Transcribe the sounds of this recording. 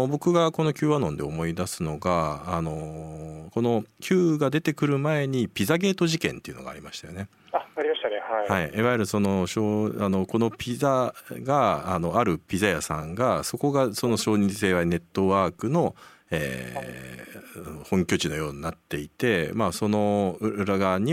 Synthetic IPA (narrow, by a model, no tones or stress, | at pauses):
obo̞kɯ̟ɡako̞no̞kʲɨːβanõ̞nd̪e̞omo̞id̪asɨno̞ɡaːno̞ko̞no̞kʲʰɨːɡad̪e̞t̪e̞kɯ̟ɾɯ̟mae̞ɲ̟ipʲizaɡe̞ːt̪o̞ʑikẽ̞nt̪e̞iɯ̟no̞ɡa̰ɾimaɕi̥t̪ajo̞ne̞ | aaɾʲimaɕt̪anehaihaiiβajeɾɯ̟so̞no̞ɕoːano̞ko̞no̞pʲizaɡaːno̞aɾɯ̟pʲizajasã̰ŋɡaso̞ko̞ɡaso̞no̞ɕo̞ːɲ̟ĩɰse̞ːβane̞t̪ːo̞βaːkɯ̟no̞ | ḛː | anohõ̞ŋkʲo̞t͡ɕino̞jo̞ːɲ̟inat̪ːe̞it̪e̞maso̞no̞ɯɾaɡaɲ̟i